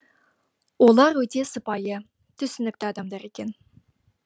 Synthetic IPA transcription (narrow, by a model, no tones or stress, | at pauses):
wolˠɑɾwɵt̪e̞səpɑjə | t̪ʰʏsɪnɪk̚t̪ɪɑd̪ɑmd̪ɑɾe̞kʲe̞n